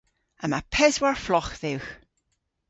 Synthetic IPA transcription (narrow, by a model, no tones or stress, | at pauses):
əmapʰɛzwaɹflɔχðɪwx